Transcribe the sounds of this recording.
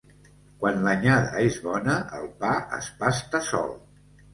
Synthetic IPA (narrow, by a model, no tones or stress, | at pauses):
kwanləɲaðə̰ezβɔnəʔəlˠpaə̰spast̪əsɔ̰lˠ